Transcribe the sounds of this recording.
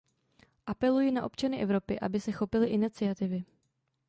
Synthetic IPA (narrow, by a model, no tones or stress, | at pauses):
ʔapɛlujiːnaʔo̞pt͡ʃanɪʔɛvɾo̞pɪʔa̰bɪsɛxo̞pɪlɪʔɪnɪt͡sɪat̪ɪvɪ